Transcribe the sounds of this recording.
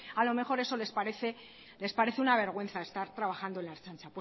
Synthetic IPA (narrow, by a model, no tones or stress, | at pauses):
alo̞me̞xo̞ɾe̞so̞le̞spaɾeθe̞ | le̞spaɾe̞θeunaβ̞e̞ɾɣ̞we̞nθae̞st̪aɾt̪ɾaβ̞axand̪oe̞nlaeɾt͡sant͡ʃapw